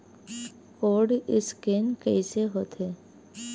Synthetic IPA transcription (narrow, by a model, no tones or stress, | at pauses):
koːɾɖɪskeːnkɛɪseɦoːt̪ɦeː